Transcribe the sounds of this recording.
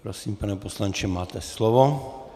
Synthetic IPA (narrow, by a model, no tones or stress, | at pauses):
pɾɔsiːmpanɛpɔslant͡ʃɛmaːt̪ɛslɔʋɔ